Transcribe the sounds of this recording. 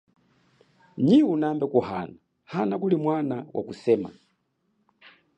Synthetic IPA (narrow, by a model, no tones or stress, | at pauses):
ɲiwunambɛkuha̰na | hanakulimwanawa̰kusɛːma̰